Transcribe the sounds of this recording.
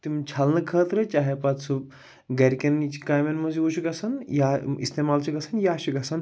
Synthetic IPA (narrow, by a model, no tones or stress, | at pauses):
t̪imt͡ʃʰɐlnɐkʰəːt̪ɾɨt͡ʃaːɦepɐt̪sub̚ | ɡɐɾʲkɐnt͡ʃʰi̥kaːjmenmɐziut͡ʃʰiɡɐsɐnjaḭst̪emaːlt͡ʃʰiɡɐsɐnjaːt͡ʃʰiɡɐsɐn